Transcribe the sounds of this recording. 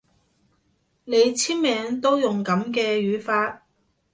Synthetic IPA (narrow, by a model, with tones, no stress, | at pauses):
ne˨˧jt͡sʰiː˥nmɛː˨˧˥ŋt̪o˥wjʊ˨˩ŋkɐ˨˥mkɛː˧jyː˨˥faː˧t̚